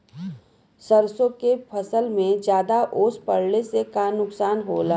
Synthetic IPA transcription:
səɾsõkepʰəsəlmẽd͡ʒjaːd̪aʔoːspəɽlesekanʊksaːnɦoːlaː

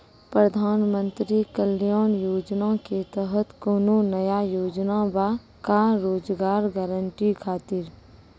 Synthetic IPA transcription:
pɾəd̪ʱaːnmə̃nt̪ɾikəlijaːnjoːd͡ʒnaket̪əɦət̪koːnonəjajoːd͡ʒnaba | kaɾoːd͡ʒɡaːɾɡɛːɾəɳʈikʰaːt̪ɪɾ

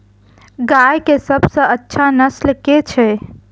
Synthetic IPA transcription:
ɡajkesəbsə̃ətːʃʰanəslket͡ʃʰɛ

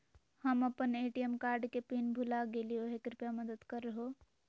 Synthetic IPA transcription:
həməpəneʈiemkaɾɖkepinbʱulaɡelioɦekɾipjaməd̪əd̪kəɾːəɦo

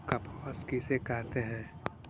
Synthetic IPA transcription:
kɐpɔskisekɛɦt̪eɦɛ̃ː

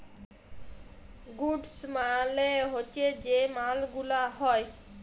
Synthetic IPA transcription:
ɡuɖsmaleɦot͡ʃed͡ʒemalɡulaɦɔj

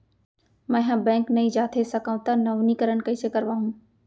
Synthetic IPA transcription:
mɛ̃ɦãːbɛ̃ːŋknɐĩːd͡ʒaːt̪ʰesɐkãːʊ̃t̪ɐnɐʋnikəɾən̆kɐisekɐɾʋaːɦũː

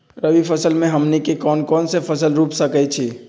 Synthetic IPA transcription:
ɾəʋifʰəsəlmẽɦɐmnekekɔːnkɔːnsefʰɐsəlɾuːpsəkəet͡ʃʰeː

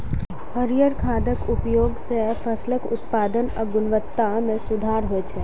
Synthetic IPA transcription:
həɾijəɾkʰad̪əkupjoɡsefʰəsləkʊt̪pad̪ənaɡʊnʋət̪ːamẽsʊd̪ʱaɾɦoet͡ʃʰe

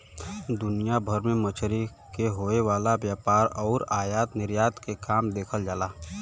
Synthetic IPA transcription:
d̪ʊnijabʱəɾmẽmət͡ʃʰɾi | keɦoːeʋaːlabjaːpaːɾɔːɾaːjaːt̪nɪɾjaːt̪kekaːmd̪eːkʰəld͡ʒaːlaː

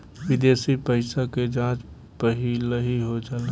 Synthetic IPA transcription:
ʋɪd̪eːsipəɪsaked͡ʒãːt͡ʃ | pəɦiləɦiɦod͡ʒaːle

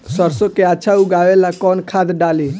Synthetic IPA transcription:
səɾsokeatːʃʰauɡaːʋelakɔːnkʰaːd̪ɖaːliː

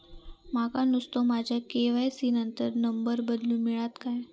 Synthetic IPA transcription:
makanust̪omad͡ʑʱjakeʋajsinənt̪əɾnəmbəɾbəd̪lũːmiɭat̪kaj

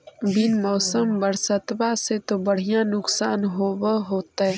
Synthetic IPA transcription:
bɪnmɔːsəmbəɾsət̪baset̪obəɽ̤ijãnʊksaːnɦoːbəɦoːt̪aɦɛ

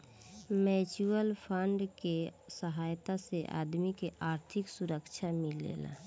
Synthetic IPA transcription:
mɛːt͡ʃuəlpʰəɳɖkesəɦaːjt̪aseʔa̰ːd̪mikeʔaːɾt̪ʰɪksuɾəkt͡ʃʰamẽlḛːla̰

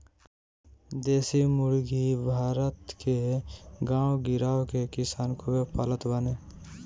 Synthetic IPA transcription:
d̪eːsimʊɾɡʱibʱaːɾət̪keɡãːwɡɪɾaːwkekɪsaːnkoepalət̪baneː

